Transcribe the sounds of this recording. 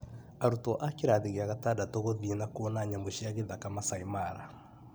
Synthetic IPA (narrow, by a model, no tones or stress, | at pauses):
aɾutɔʔakeɾaðeɣeaɣatadatoɣoðienakoːnaɲamoʃiaɣeðakamasaimaɾa